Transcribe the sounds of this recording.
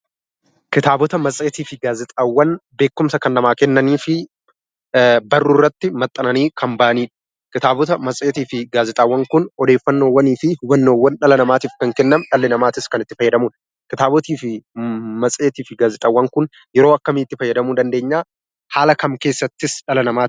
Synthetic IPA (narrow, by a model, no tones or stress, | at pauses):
kɪt̪aːbɔt̪ɐmɐsʼeːt̪iːfɪɡaːzɪt̪ʼɐwːɐnbe̞ːkːʊmsɐkɐnːɐmaːkɛnːɐniːfɪ | bɐrːuːrːɐt̪ːɪmɐt̪ʼːɐnɐniːkʰɐmbɐʔɐniːᶑʊ̥ | kɪt̪aːbɔt̪ɐmɐsʼeːt̪iːfɪɡaːzɪt̪ʼɐːwːɐŋkʊnɔd̪e̞ːfːɐnːoːwːɐniːfɪhʊwɐnːoːwːɐnᶑɐlɐnɐmaːt̪iːfkɐŋkɛnːɐmᶑɐlːɪnɐmaːt̪ɪskɐnɪt̪ːɪ̥fɐjːɐd̪ɐmun | kɪt̪aːbɔt̪iːfɪmɐsʼe̞ːt̪iːfɪɡaːzɪt̪ʼɐwːɐŋkʊn | jɛɾo̞ːɐkːɐmɪt̪ːɪfɐjːɐd̪ɐmuːd̪ɐnd̪e̞ːɲːaː | haːlɐkɐmke̞ːsːɐt̪ːɪsᶑɐlɐnɐmaː